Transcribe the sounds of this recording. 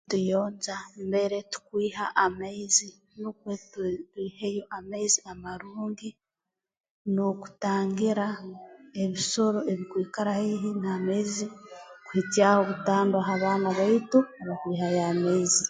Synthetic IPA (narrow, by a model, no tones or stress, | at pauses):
tujoːnzambe̞ɾetu̥kwiːɦaʔamaizi | nukwettwiːhejo̞ʔamaiziamaɾuːŋɡi | noku̥taːŋɡiɾae̞βiso̞ɾo̞e̞βikwiːkaɾahiɦinaːmaizikuhitjahoβutaːndwaɦaβaːnaβaituaβakwiːhajamaizi